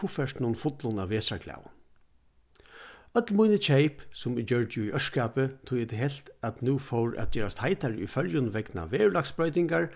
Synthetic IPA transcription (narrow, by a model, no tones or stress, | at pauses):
ʊfɛʂʈnʊnfʊt̪lʊnaʋeːsɾakʰla̰ːw | œt̪lmujnət͡ɕʰeɪpsʊmɪd͡ʒœɹt̪juiʔœʂkaːpət̪ʰʊjɛt̪ɪɦɛlt̪æt̪nuːfɔwɹʔæ̰t̪̚d͡ʒɛːɾast̪haɪt̪aɹʊ̰jfœljʊnʋɛkna̰ʋeːɹlaksb̥ɹœʏt̪ɪŋkaɹ